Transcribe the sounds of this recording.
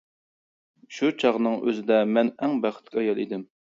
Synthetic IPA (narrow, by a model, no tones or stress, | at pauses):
ʃut͡ʃʰɑʁnɨŋʔø̰zɪd̪ɛmɛnɛŋbæχə̥t̪ʰkʲʰɑjɑlˠid̪ɪm